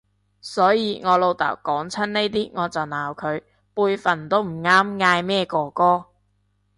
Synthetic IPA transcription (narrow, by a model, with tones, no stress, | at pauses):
sɔː˨˥jiː˨˧ŋɔː˨˧lo˨˧wt̪ɐ̰ː˨˩wkɔː˨˥ŋt͡sʰɐ˥nne˥jt̪iː˥ŋɔː˨˧t͡sɐ˨wnaː˨wkʰɵ˨˧ɥ | puː˧jfɐ˨˩nt̪o˥wm̩˨˩ŋaː˥mŋaː˧jmɛː˥kɔː˧kɔː˥